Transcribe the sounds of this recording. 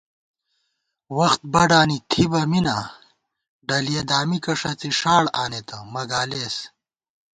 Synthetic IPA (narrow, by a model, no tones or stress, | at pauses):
wɐxt̪̚bɐɖaːnit̪ʰibɐmina | ɖɐlijed̪aːmikɐʂɐt͡siʂaːɽaːnet̪ɐmɐɡaːleːs